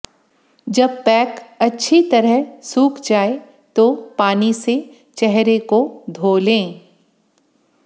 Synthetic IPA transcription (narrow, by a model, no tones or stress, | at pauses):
d͡ʒɐb̚pɛːkɐtːʃʰit̪ɐɾəɦsuːkʰd͡ʒaːe | t̪opaːnise | t͡ʃɛɦɾekod̪ʱoːlẽː